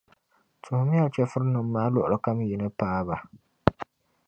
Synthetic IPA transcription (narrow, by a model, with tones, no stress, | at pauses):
tʰʊ˨hmi˦a˦˨lt͡ʃɛ˦fʊ˦ɾnʊ˨mː˦aː˦lʊ˨ʔʊ˨lɨ˦ka˦m˦ji˨nɨ˦paː˦ba˨